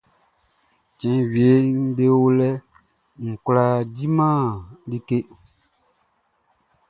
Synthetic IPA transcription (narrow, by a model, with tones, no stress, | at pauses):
t͡ʃɛ̃˨wi˨e˨˦ŋ̩˦be˦wo˦lɛ˦ | ŋ̩˨kla˦di˦mã˦˨di˦ke˦